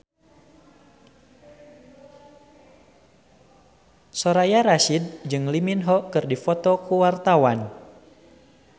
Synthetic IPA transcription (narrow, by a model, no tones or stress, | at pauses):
sɔɾajaɾaʃid̚d͡ʒɨŋliminɦɔkɨrdifɔt̪ɔkuwart̪awan